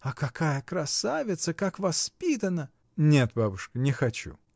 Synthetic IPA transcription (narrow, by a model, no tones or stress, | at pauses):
ɐkɐkʰajəkɾɐsavʲɪt̪səkakvɐspʲit̪ənə | nʲe̞t̪babʊʂkənʲɪxɐt͡ɕṵ